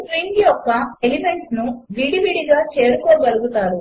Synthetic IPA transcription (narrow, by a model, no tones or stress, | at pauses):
kɾiːŋɡjɔkːɐelime̞ɳsnuʋiɽiʋiɽiɡaːt͡ʃe̞ːɾukɔːɡɐluɡut̪aːɾu